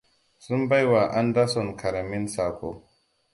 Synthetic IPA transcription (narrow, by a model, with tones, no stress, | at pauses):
sʊ˦mba˦jwa˨ʔa˦nda˦sɔ˨ŋkʰɐ˨ɾa˨mɪ˦nsaː˨kʷoː˦